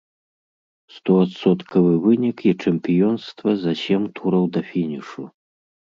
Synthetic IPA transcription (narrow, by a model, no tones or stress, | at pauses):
st̪ɔat̪sɔt̪kʰɐvɨvɨnʲikit͡ʂɛmʲpʲijɔnst̪vɐzaɕɛmt̪ʰuɾɐwd̪ɐfʲinʲiʂu